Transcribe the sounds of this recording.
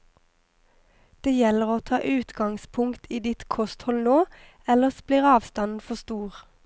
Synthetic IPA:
d̪̥eːjɛləʁoːt̪ʰɑːʔʉːt̪ɡɑŋspʰʊŋkt̪ʰiːd̪ɪt̪kʰɔst̪hɔlnoː | ɛləsb̥liːʁɑːʋst̪ɑnn̩fɔst̪uːʁ

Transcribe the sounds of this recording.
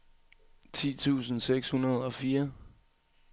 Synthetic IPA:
t͡sʰḭːt͡sʰṵːsn̩seɡ̥shunɐð̞̩ˠɒ̽fiːɐ

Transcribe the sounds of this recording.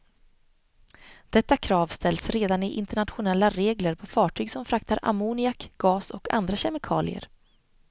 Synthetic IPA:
d̪̥ɛt̪ːakʰɾɑːvst̪ɛlsɾeːd̪anɪʔɪnt̪əɳat̪ɧʊnɛlːaɾeːɡləɾpʰɔfɑːʈʰyːɡsɔmfɾakt̪aɾʔa̰munɪakɡ̥ɑːsɔkʰa̰nd̪ɾaɕɛmɪkʰɑːlɪ̰ə̰ɾ

